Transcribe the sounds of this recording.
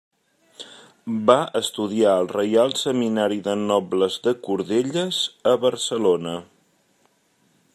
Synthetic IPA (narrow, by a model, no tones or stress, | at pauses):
baəst̪uðiaəlˠrəjalˠsəminaɾiðənɔbləzðəkuɾðeʎəzəβəɾsəlonə